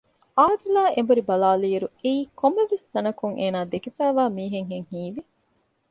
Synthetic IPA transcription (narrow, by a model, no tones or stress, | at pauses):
aːd̪ilaːʔembuɾibɐlaːliːɐɾueiːkomːeʋesd̪ɐnɐkuŋʔḛːnaːd̪ekefæːʋaːmiːɦeŋɦeŋhiːʋi